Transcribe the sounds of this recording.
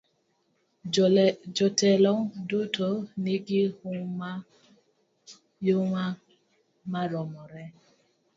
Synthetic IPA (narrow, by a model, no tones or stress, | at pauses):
d͡ʒɔtɛlɔŋdʊtoniɡɪhʊa | joŋʷa | maɾɔmɔɾɛ